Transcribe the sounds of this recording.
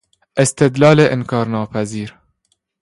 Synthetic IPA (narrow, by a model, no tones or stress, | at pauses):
ʔɪst̪ɪd̪lɑːleːʔɪnkɑːɾnɑːpʰæziːɾ